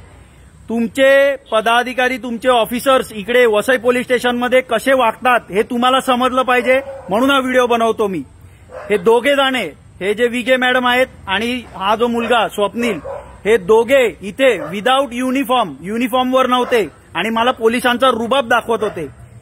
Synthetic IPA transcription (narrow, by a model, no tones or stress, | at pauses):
t̪umt͡ɕepəd̪ad̪ʱikaɾiːt̪umt͡ɕeɔfisəɾsikɽeʋəsəjpolisʈeɕənməd̪ʱːjekəɕeʋakt̪at̪ɦet̪um̤alasəməd͡zləːpaɦid͡ʑem̤əɽ̃uːnɦaʋiɽijobənəʋt̪omiː | hed̪oɡʱed͡zaɽ̃e | hed͡ʑeʋiɡemæɽəmaɦet̪̚aɽ̃iɦãd͡zomulɡasʋəpniːlhed̪oɡʱeit̪ʰeʋid̪auʈjunifɔɾmjunifɔɾmʋəɾnəʋt̪e | aɽ̃iməlapolisãnt͡saɾubəp̚d̪akʰʋət̪ɦot̪e